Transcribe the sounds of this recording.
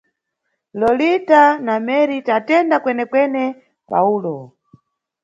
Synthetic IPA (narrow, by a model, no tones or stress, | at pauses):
lɔlitanamɛɾitatɛndakwɛnɛkwɛnɛ | pa̰uːlɔ